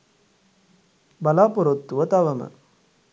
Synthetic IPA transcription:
bɐlaːpɔɾɐt̪ːuʋɐt̪ɐʋɐmɐ̰

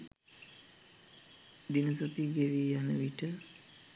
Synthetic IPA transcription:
d̪inəs̬at̪iɡeɾijanəʋiʈə

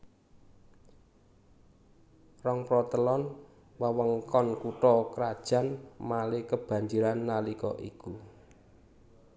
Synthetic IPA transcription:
rɔŋpɾɔt̪əlɔn | wəwəŋkɔnkuʈɔkɾad̥ʒ̥a̤nmalekəb̥ä̤ɲd͡ʒiɾanːalikɔ̰ʔiku

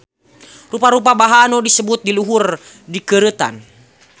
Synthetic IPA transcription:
rupaɾup̬abaɦanɔdisəbut̪̚diluɦur | dikəɾət̪a̰n

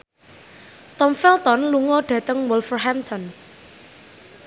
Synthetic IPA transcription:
t̪ɔmfɛlt̪ɔnluŋɔɖ̥ä̤t̪əŋwɔlfərɦant̪ʰɔn

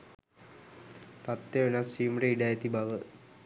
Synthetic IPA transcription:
t̪at̪jeʋenasiːmɾeiɖajet̪ibaʋə

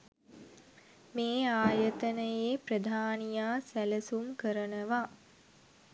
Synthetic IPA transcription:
meːaːjət̪ənəjeːprəd̪ʱaːnijaːsæləsumkəɾənəʋa

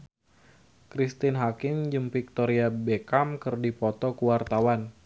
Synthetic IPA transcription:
kɾist̪ɪnɦakɪmd͡ʒəmfik̚t̪ɔɾiabekamkərdipɔt̪ɔkuwart̪awan

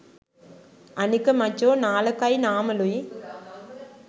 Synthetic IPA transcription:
ɐnɯkːɐmɐt͡ʃːoːnaːlɐkːajnaːmɐluj

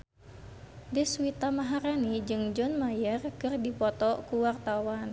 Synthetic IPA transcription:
dɛsuwit̪amaɦaɾanid͡ʒɨŋd͡ʒɔnmajərkɨrdipɔt̪ɔkuwart̪awan

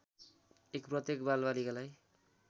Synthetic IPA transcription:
ekprʌt̪jekbalbalikalaj

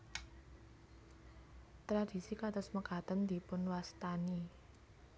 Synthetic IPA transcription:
t̪ɾad̪̥i̤sikat̪ʊsməkat̪ənd̪i̤pʊnwast̪ani

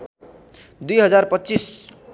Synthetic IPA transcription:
d̪ujɦʌd͡zarpʌtːt͡sis

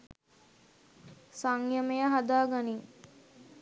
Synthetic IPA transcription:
saŋjəməjəɦad̪aːɡani

